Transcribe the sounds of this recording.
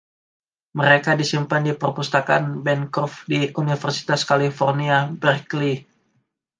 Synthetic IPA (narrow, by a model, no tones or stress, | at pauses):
məɾekadisimpandipərpust̪aka̰nbɛnkɔfdiunifərsi̥t̪askalifɔrniabərkli